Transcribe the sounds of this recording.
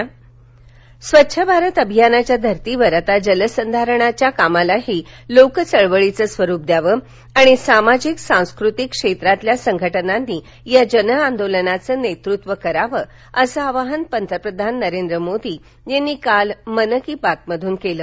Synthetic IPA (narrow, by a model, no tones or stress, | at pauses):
sʋətːɕʰəbʱaɾət̪əbʱijanat͡ɕjad̪ʱəɾt̪iʋəɾat̪ad͡ʑələsənd̪ʱaɾəɳat͡ɕjakamalaɦiːlokət͡səɭʋəɭit͡səːsʋəɾup̚d̪jaʋə | aɽ̃isamad͡ʑiksãw̃skɾut̪ikʂet̪ɾat̪ljasəŋɡʱəʈənanːiː | jad͡ʑənəand̪olənat͡səːnet̪ɾut̪ʋəkəɾaʋə | əsəaʋaɦənpənt̪ʰɾəpɾəd̪ʱanːəɾend̪ɾəmod̪ʱiː | jenːiːkalmənəkiːpat̪̚məd̪ʱuːnkeləː